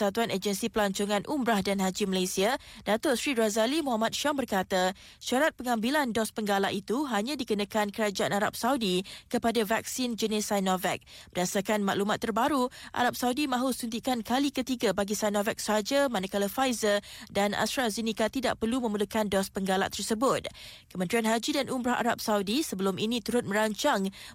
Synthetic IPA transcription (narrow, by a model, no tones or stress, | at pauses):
sat̪uaned͡ʒənsipəlaɲt͡ʃoŋãnʔumbɾahdanɦad͡ʒiməlasiadat̪ʊsɾiɾazalimuɦamat̪̚ʃɔmbərkat̪a | ʃaɾat̪̚pəŋãmbilandɔspəŋɡala̰ʔit̪uɦaɲãdikənãkankəɾad͡ʒaʔanaɾa̰p̚saudikəpadavak̚sind͡ʒənisajnɔvɛk̚pədasakanma̰ʔlumat̪ːərbaɾuʔa̰ɾap̚saudimãɦusunt̪̬ikankalikət̪iɡabaɡisajnɔvɛk̚səad͡ʒamanakalafajzərdana̰st̪ɾazinikat̪ida̰ʔpərlumə̃mulukandɔspəŋɡala̰ʔt̪ərsəbʊt̪̚kəmənt̪ɾianɦad͡ʒidanumbɾaɦa̰ɾa̰p̚saudisəbəlʊmʔinĩt̪uɾʊt̪̚mə̃ɾaɲt͡ʃaŋ